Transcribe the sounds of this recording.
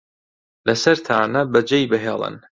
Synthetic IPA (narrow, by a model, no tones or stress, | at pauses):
lɐsɐɾt̪ʰaːnɐbɐd͡ʒejbɨɦeːlˠɨ̰n